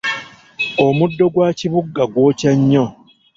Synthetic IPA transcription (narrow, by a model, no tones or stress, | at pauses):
omudːo̞ɡwaːciβuɡːaɡwo̞ːcaɲːo